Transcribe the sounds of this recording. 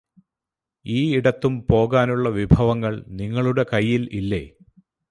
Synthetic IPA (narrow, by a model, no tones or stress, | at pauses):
iːiɽɐt̪ːumpo̞ːɣaːnuɭːɐʋibʱɐʋɐŋːɐɭniŋːɐɭuɽe̞kɐjːililːe̞̰ː